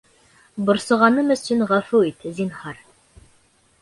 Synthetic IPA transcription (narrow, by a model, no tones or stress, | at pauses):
bŏɾsŏʁɑnɤmɵ̆sɵnʁɑfuit̪zinhɑɾ